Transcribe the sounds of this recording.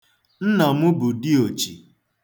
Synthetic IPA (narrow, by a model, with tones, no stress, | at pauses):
n̩˦na˨mʊ˦bʊ˨dɪ˦o˨t͡ʃi˨